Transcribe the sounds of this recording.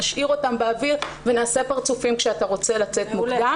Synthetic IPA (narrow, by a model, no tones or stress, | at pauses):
aʃʔiʁo̞tambeaviʁvenaːse̞paʁt͡sufimkʃeataʁo̞t͡se̞lat͡se̞tmoda